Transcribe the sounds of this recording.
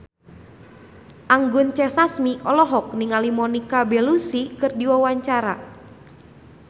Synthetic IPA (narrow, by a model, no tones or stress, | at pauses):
ʔaŋɡʊnt͡ʃɛsasmiʔɔlɔɦɔk̚niŋalimɔnikabɛlusikɨrdiwawaɲt͡ʃaɾa